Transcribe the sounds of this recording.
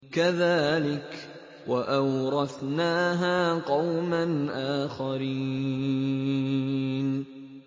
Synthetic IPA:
kaðaːlɪk | waʔawɾˤɑθnaːɦaːqɑwmanʔaːxaɾiː | n

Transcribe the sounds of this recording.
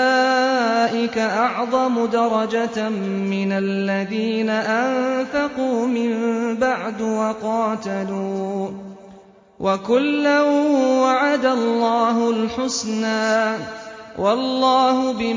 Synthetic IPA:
aːʔɪkaʔɑʕðˤɑmʊd̪ɑɾˤɑd͡ʒammɪnalːaðiːnaʔanfɑquːmɪmbaʕd̪wɑqɑːt̪aluː | wʔakʊlːahʊmwaʕad̪alˤːɑːɦʊlħʊsnaːnwʔɑlːɑːhʊbɪ

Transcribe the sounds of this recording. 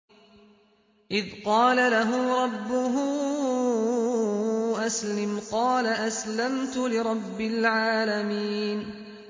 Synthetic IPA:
ʔɪðqɑːlalaɦʊːɾˤɑbːʊɦʊ | ʔaslɪmqɑːlaʔaslamt̪ʊlɪɾˤɑbːɪlʕaːlamiːn

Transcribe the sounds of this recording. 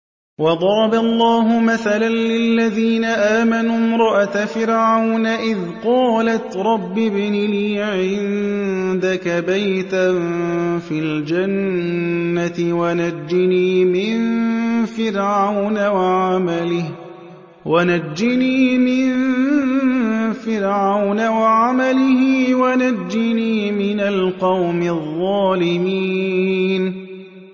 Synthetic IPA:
wɑd̪ˤɑɾˤɑbalˤːɑːɦʊmaθalanlɪlːaðiːnaʔaːmanuːmɾˤɑʔat̪afɪɾʕawnaʔɪð | qɑːlat̪ɾˤɑbːɪbɪnɪniːʕɪnd̪akabajt̪a | fild͡ʒanː | at̪ɪwanad͡ʒːɪniːmɪnfɪɾʕawnawaʕamalɪh | wanad͡ʒːɪniːmɪn | fɪɾʕawnawaʕamalɪhɪwanad͡ʒːɪniːmɪnalqɑwmɪðˤːɑːlɪmiːn

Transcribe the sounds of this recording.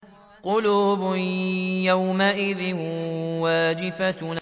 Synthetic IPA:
qʊluːbʊjawmaʔɪðɪhwaːd͡ʒɪfa

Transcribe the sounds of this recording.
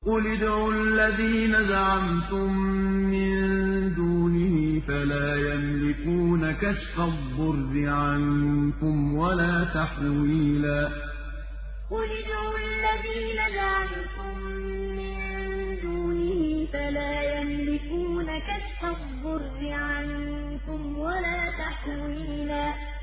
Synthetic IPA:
ʔʊlɪd̪awalːaðiːnazaʕamt̪ʊmːɪnd̪uːnɪhifalaːjamlɪkuːnakaʃɑdb̪ˤːʊɾdɪʕankʊmwalaːt̪aħwiːlaː | qʊlɪd͡ʒaalːaðiːnad͡ʒaʕal | kʊmː | ɪnnn | d̪uːnɪhiːfalaːjamlɪkuːnakaʃfɑˤː | ʊɾːɪʕan | kʊmwalaːt̪aħ | w | iːlaː

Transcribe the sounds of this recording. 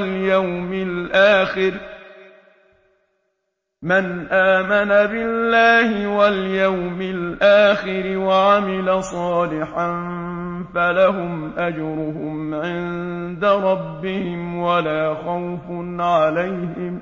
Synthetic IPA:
ljawmɪlʔaːxɪɾ | manʔaːmanabɪlːaːhɪwaljawmɪlʔaːxɪɾɪwaʕamɪlasˤɑːlɪħan | falaɦʊmʔad͡ʒɾʊɦʊmʕɪn | d̪aɾˤɑbːɪhɪmwalaːxawfʊnʕalajhɪm

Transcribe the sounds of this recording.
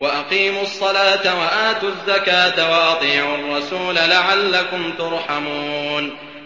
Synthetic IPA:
waʔaqiːmʊɑsˤːɑlaːt̪awaʔaːt̪uzːakaːt̪awɑʔɑt̪ˤiːʕɑrˤːɑsuːlalaʕalːakʊmt̪ʊɾˤħamuːn

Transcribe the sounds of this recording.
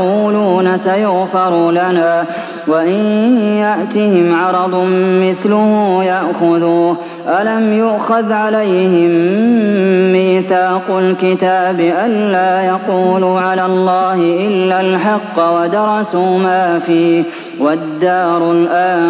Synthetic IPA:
uːluːnasajʊɣfɑɾˤulanaː | waʔɪnjaʔt̪ɪhɪmʕɑɾˤɑd̪ˤmɪθlʊhuːjaʔxʊðuː | ʔalamjʊʔxaðʕalajhɪmː | iːθaːqʊlkɪt̪aːbɪʔanːaːjɑquːluːʕalaːlˤːɑːhɪʔɪlːalħɑqːwad̪ɑɾˤɑsuːmaːfiːh | wad̪ːɑːɾˤʊlʔaː

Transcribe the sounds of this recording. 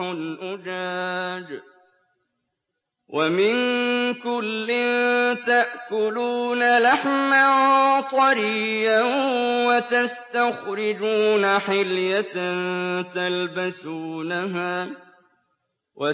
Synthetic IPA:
ʊnʔʊd͡ʒaːd͡ʒ | wʔamɪnkʊlːɪnt̪aʔkʊluːnalaħmaht̪ˤɑɾijawat̪ast̪axɾɪd͡ʒuːnaħɪljatnt̪albasuːnaɦaː | wa

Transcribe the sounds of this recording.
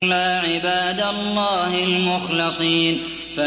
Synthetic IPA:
laːʕɪbaːd̪alˤːɑːhɪlmʊxlɪsˤiːn | fa

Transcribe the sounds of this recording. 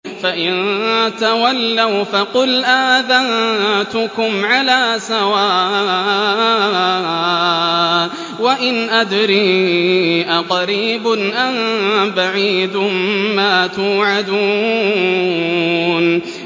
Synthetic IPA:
faʔɪnt̪awalːawfɑqʊlʔaːðant̪ʊkʊmʕalaːsawaː | waʔɪnʔad̪ɾiː | ʔaqɑɾiːbʊnʔanbaʕiːd̪ʊmmaːt̪uːʕad̪uː | n

